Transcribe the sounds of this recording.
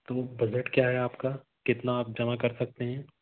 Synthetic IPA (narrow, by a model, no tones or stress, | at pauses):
t̪oːbɐd͡ʒeʈkjaːɦɛaːpkaːkɪt̪naːp̚d͡ʒɐmakɐɾsɐk̚t̪eɦɛ̃ː